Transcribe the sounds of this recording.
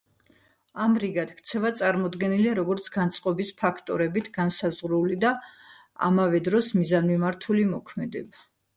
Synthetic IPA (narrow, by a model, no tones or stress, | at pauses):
amɾiɡat̪kʰt̪sʰɛvat̪sʼaɾmɔd̪ɡɛniliaɾɔɡɔɾt̪sʰɡ̥ant̪sʼqʼɔbispʰakʰt̪ʼɔɾɛbit̪ʰɡ̥ansazʁɾulid̪a | a̰mavɛd̪ɾɔsmizanmimaɾt̪ʰulimɔkʰmɛd̪ɛba